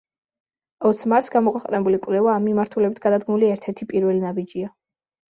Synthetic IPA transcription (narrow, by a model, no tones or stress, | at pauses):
ɔt̪sʰmaɾt̪sɡamɔkʰwɛqʼnɛbulikʼwlɛvaːmːimaɾt̪ʰulɛbit̪̚ʰɡ̥ad̪ad̪ɡmuliɛɾt̪ʰɛɾt̪ʰipʼiɾvɛlinabid͡ʒia